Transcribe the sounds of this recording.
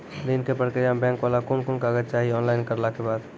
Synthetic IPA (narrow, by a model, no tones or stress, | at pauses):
ɾinkepəɽked͡ʒãːmbɛ̃ːŋkʋaːlakʊnkʊnkaːɡət͡ʃaːɦiɔːnlaɪnkəɾlakebaːd̪